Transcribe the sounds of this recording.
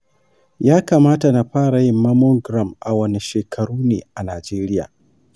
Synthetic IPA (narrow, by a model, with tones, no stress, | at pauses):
jaː˦kaː˨maː˦ta˨na˨ɸaː˦ɾa˨jɪ˦mːɐ˦mɔ˦ɡɾa˨mʔa˨wɐ˦ne˨ʃeː˨kʰɐ˨ɽuː˦neː˨ʔa˨naː˨d͡ʒeː˦ɾɪ˦ja̰ː˨